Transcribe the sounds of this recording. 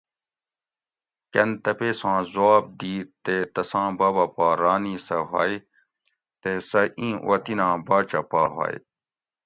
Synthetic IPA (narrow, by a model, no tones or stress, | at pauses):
kɐnt̪ɐpeːsãːzwaːb̚d̪iːt̪et̪ɐsãːbɐːbɐpaːɾaːnisɐɦa̰ːj | t̪esɐʔĩːʔw̰ɐt̪inãːbaːt͡ʃɐpaːɦa̰ːj